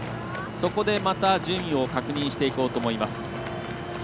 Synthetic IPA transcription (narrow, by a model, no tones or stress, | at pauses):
so̞ko̞d̪e̞mat̪aʑɨːmʲĩo̞kakɯ̟ɲ̟ĩɰ̃ɕi̥t̪e̞iko̞ːt̪o̞ːmo̞imasɨ̥